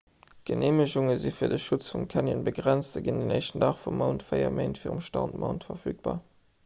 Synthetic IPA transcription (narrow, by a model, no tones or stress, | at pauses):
ɡ̥ənʔeːməʑʊŋəzifiːɐdəʃʊt͡sfumkʰænjənbəɡʁænt͡sstəɡindenɛɪʃtn̩dɑːχfumːəʊntfəɪɐ̰meɪntfiːʁəmʃtɑ̰ʊntmʔɐʊntfɐfyːk̚b̥a̰ː